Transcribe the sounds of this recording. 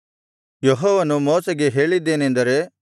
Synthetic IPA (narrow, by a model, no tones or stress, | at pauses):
jɔɦɔːʋɐnumoːsɐɡe̞ɦe̞ːɭid̪ːe̞ːnend̪ɐɾe̞